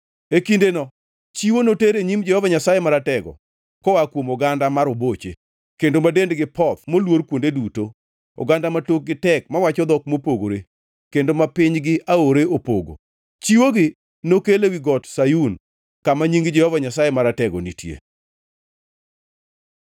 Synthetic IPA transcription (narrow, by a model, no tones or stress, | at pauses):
ekindenɔ | t͡ʃiwonoteɾeɲimd͡ʒɛhɔvaɲasajemaɾatɛɡɔ̰ | kɔwakwomoɡandamaɾobot͡ʃḛ | kendomadendɡɪpʰɔt̪molwoɾkwondeduto | ɔ̰ɡandamatok̚ɡɪtɛkmawat͡ʃɔd̪ɔk̚mopoɡo̰ɾe | kendomapɪɲɡɪʔaoɾeopoɡo̰ | t͡ʃiwoɡɪ | nokelewiɡɔtsajun | kamaɲiŋɡd͡ʒɛhɔvaɲasajemaɾatɛɡɔnitʰjḛ